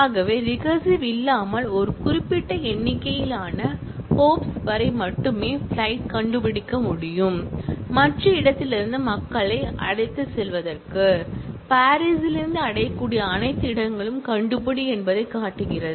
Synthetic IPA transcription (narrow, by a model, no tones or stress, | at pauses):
aːɣɐʋeːɾɪɣɐsiʋɪlːaːmɐɭɔɾɯkʊɾɪpːɪʈːɐɛɳːɪkːɐjɪlaːnɐ | hoːpsʋɐɾɐɪmɐʈːɯmeːfɭɐɪʈ̚kɐɳɖɯpɪɽɪkːɐmʊɽɪjɯmmɐʈrɐɪɽɐt̪ːɪlɪɾɯnd̪ɯmɐkːɐɭɐɪɐ̰ɽɐɪt̪ːɯsɛlʋɐðɐrkɯpaːɾisɪlɪɾɯnd̪ɯɐɽɐjɐkːuːɽijɐːnɐɪt̪ːɪɽɐŋɡɐɭɯmkɐɳɖɯp̬ɐɽiɛnbɐðɐɪkːaːʈːɯɣɪrɐðɯ